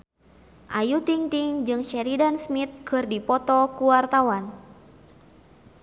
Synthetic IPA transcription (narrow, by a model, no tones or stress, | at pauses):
ʔajut̪iŋt̪iŋd͡ʒɨŋʃɛɾidansmit̪̚kʰɨrdipɔt̪ɔkuwart̪awan